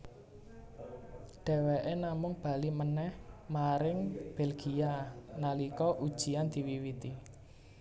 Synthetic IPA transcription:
ɖ̥ɛ̤weʔenamʊŋb̥a̤limənɛhmaɾɪŋb̥ɛlɡ̥ianalikɔʔud̥ʒ̥i̤and̪̥i̤wiwit̪i

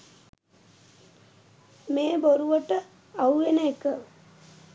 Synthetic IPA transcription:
meːboɾuʋəʈə | auʋenəekə

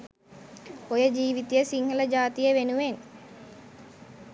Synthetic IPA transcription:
ojəd͡ʒiːʋit̪ijəsiŋɦələd͡ʒaːt̪ijəʋenuʋen

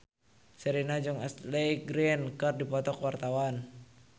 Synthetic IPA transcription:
sɛɾinad͡ʒɔŋɛ̰slɛjɡɾinkərdipɔt̪ɔkwart̪awan

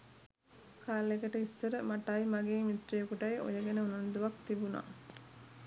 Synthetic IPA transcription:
kʰaːlekəʈəisːəɾəmaʈaimaɡeːmit̪rijekuʈɐjʔo̰jəɡenəunund̪uʋakt̪ibuna̰ː

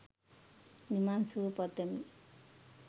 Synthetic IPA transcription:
nimansuɾupʌd̪emi

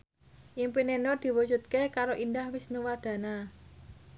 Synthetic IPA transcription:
ʔimpinenɔd̪̥i̤wud͡ʒ̥ṳt̪̚kekaɾoʔindahwɪsnuwad̪̥ä̤na

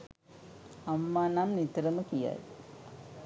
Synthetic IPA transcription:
ɐmːaːnaːmnit̪ɾɐmɐkija̰ːð

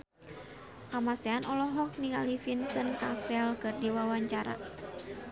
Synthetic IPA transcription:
kamasɛanɔlɔɦɔk̚niŋalifinsənkasɛlkɨrdiwawaɲt͡ʃaɾa̰

